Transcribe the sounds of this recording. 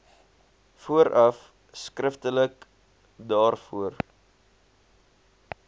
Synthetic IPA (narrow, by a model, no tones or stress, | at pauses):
fuəɾʔɐf | skrəftələk | dɑːrfuər